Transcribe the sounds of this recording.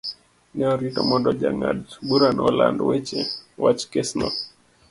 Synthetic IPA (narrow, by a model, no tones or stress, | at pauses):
nɛɔɾitɔmɔndɔʄaŋa̰dɓuɾanɔla̰ndwɛt͡ʃɛwat͡ʃkɛsnɔ